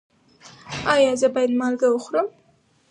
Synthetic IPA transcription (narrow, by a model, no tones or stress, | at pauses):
ɑjɑzəbɑjad̪mɑlɡawoxɾəm